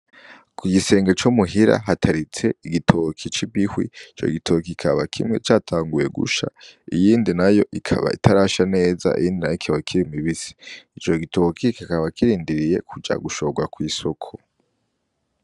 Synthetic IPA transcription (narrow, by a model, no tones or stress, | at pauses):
kwiɡise̞ːŋɡat͡ʃumuɦiɾa̰ɦatʰaɾit͡se̞iɡitʰokʰit͡ʃibihwḭit͡ʃo̞̰iɡitʰo̞kikʰaβakʰḭmŋe̞̰t͡ʃaːtʰaːŋɡuje̞ɡṵʃaijiːndinajo̞ʔikʰa̰βa̰itʰaɾaːʃane̞ːza̰ʔḭjiːndinajokʰiawaikʰiɾimiβisi̥it͡ʃo̞ɡitʰokʰikakaβakiɾiːndiɾije̞kʰud͡ʒa̰ɡuʃo̞ːɡwakwiːsokʰo